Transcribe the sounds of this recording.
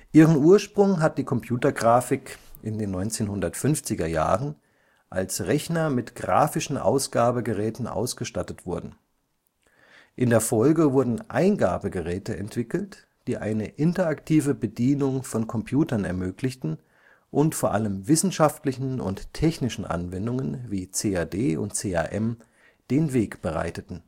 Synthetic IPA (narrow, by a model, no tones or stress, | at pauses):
ʔiːʁ̞ənuːɐʃpʁ̥ʊŋɦat̚d̥iːkʰɔmpʰj̥uːtɐɡʁaːfɪkʔɪndeːnːɔʏnt͡seːnhʊndɐtfʏnft͡sɪɡɐja̰ːʁən | ʔa̰lsʁɛçnɐmɪtɡ̥ʁa̰ːfɪʃn̩ʔa̰ʊsɡ̥aːbəɡəʁɛːtn̩ʔa̰ʊsɡ̥əʃtatətv̥ʊɐdn̩ | ʔɪndeːɐfɔlɡəvʊɐdn̩ʔa̰ɪnɡa̰ːbəɡəʁɛːtəɛ̰ntv̥ɪkl̩t | d̥iːʔa̰ɪnəʔɪntɐaktʰiːvəbədiːnʊŋfɔnkʰɔmpʰjuːtɐnɛ̰ɐmøːklɪçtn̩ | ʔʊntfoːɐʔaləmvɪsn̩ʃaftlɪçn̩ʊ̰ntʰɛçnɪʃn̩ʔa̰nvɛndʊŋənviːt͡seːaːdeːʔʊ̰nt̚t͡seːa̰ːʔɛm | d̥eːnveːkb̥əʁa̰ɪtətn̩